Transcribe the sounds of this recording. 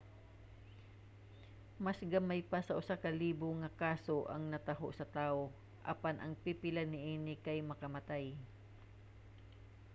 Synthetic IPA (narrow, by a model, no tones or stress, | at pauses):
mɐsɡɐmajpasɐʔʊsakɐliːboŋɐkaːso̞ʔɐ̰ŋnɐt̪ɐɦo̰ʔsɐt̪aːʔo | ʔɐ̰panʔɐŋpipɪlanɪʔiːnɪkɐjmɐkɐmɐt̪aj